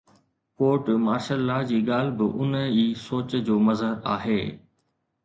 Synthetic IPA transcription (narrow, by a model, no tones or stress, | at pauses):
koːɾʈmaːɾʃəlːad͡ʑiːɠaːl̤bɪʔʊniːsoːt͡ɕd͡ʑoːmɐzɦəɾa̰ːɦeː